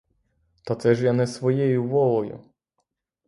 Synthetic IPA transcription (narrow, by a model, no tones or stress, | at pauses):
t̪ɐt̪sɛʒjanɛsʋɔjɛjʊʋɔlˠɔjʊ̰